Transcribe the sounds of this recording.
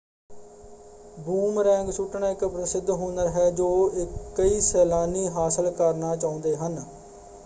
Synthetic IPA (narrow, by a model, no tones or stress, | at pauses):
buːmɾɛ̃ːŋɡsuʈɳaːɪkpɾəsɪd̪ɦoːnəɾɦɛːd͡ʒoːɪkːəiːsɛːlaːniːɦaːsəlkəɾnaːt͡ʃaːʊ̃nd̪eːɦən